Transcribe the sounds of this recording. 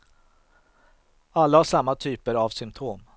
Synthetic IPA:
alːahaʂamːat̪ʰyːpəɾavsʏmt̪ʰoːm

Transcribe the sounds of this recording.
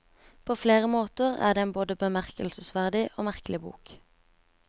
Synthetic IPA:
pʰoːfleːʁəmoːt̪əʁæ̰ːd̪eːeːnboːd̪əbəmæʁkəl̩səsʋæʁd̪ɪʔoːmæʁklɪbṵːk

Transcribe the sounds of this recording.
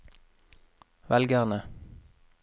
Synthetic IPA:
ʋɛlɡæʁnə

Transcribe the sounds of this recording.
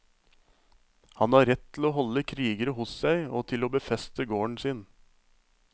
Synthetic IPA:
hɑnɑːɾɛt̪ʰːɪl̩oːɦɔləkʰɾiːɡəɾəhʊssæɪoːt̪ʰɪloːbəfɛst̪əɡoːɳsiːn

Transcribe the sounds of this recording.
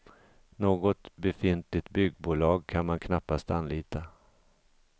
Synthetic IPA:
noːɡɔt̪bɛfɪnt̪lɪt̪bʏɡːbuːlɑːɡ̚kʰanmankʰnapːast̪anliːt̪a

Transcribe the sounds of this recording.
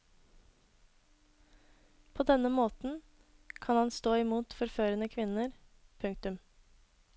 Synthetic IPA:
pʰoːd̪ɛnəmoːt̪n̩ | kʰɑnhɑnst̪oːɪmuːt̪fɔɾføːɾənəkʰʋɪnəɾpʰʉŋk̚t̪ʉm

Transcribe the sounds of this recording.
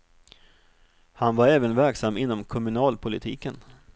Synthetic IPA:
hanvaɾɛːvənvæɾksamːɪnːɔmkʰɔmɵnɑːlpʰʊlɪt̪ʰiːkən

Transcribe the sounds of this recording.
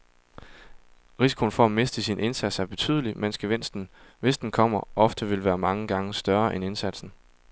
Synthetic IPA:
ʁisi̥kʰo̝n̩fɒæme̝sd̥əsinʔe̝nsæd̥sæɐb̥e̝t͡sʰy̰ːð̞ˠəlimensɡ̥əʋen̰sd̥n̩ʋe̝sd̥n̩kʰɒ̽m̰ɐɒ̽fd̥əʋe̝lʋæːɐmɑ̈ŋəɡ̥ɑ̈ŋəsd̥ɶɐɐʔene̝nsæd̥sn̩

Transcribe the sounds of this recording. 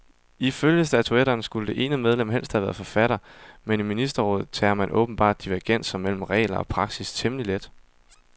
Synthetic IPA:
iføljəsd̥æt͡sʰueɾɐːnsɡ̥uləd̥e̝ʔe̝ːnəmeð̞ˠlem̰ɦel̰sd̥hæʋæːɐfɒ̽fæɾ̥ɐmeniminisd̥ɐʁɔ̰̽ːð̩ˠt͡sʰɛ̰ːɐmænʔɔ̰̽ːb̥n̩b̥ɑ̰̈ːd̥̚ːiʋæɐɡ̥en̰sɒmel̰m̩ʁɛ̰ːlɐɒ̽pʰʁɑ̈ɡ̥sist͡sʰemliled̥

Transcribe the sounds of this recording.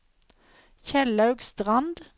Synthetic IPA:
çɛlɑʉɡst̪ʁɑnd̪

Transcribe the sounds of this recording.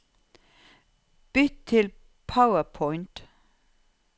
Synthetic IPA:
b̥ʏt̪ʰɪl | pʰaʊəpʰɔɪnt̪

